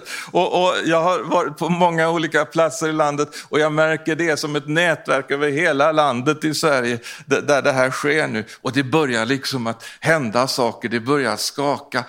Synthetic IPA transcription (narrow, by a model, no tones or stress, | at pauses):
ɔʔɔjɑːɡɦaɾvɑːɾɪt̪̚pʰɔmɔŋːauːliːkapʰlat̪səɾɪland̪ət̪ɔjɑːɡmæɾkəɖɛæʂɔmɛt̪nɛːt̪væɾkøːvəɾɦeːlaland̪ət̪ɪsvæɾjəd̪æd̪æɖɛɦæːɾɧeːɳʉ̟ːʔɔd̪ɛbœɾjaɭɪksɔmat̪hɛnd̪asɑːkəɖɛbœɾja̰skɑːka